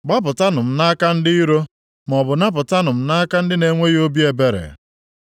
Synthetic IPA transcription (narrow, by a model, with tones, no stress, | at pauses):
ɡ͡ba˦p̬ʊ˨ta˦nʊ˨m̩˦na˦ka˦n̩˦dɪ˦i˦ɾo˦ | m˨ɔ˨bʊ˨na˦p̬ʊ˨ta˦nʊ˨m̩˨na˦ka˦n̩˦dɪ˦ne˨ŋʷe˦jo˦bi˦e˨be˦ɾḛ˨